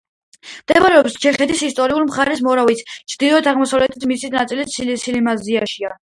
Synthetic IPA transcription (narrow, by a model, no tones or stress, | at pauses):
md̪ɛmaɾɛɔpst͡ʃʰɛχɛt̪ʰisist̪ʼɔɾiulmχaɾɛs̬mɔɾavit̪sʰt͡ʃʰd̪̥ilˠɔɛt̪ʰaʁmɔsavlɛt̪ʰi̥t̪ʰmisit̪nat̪sʼilissilimaziaʃia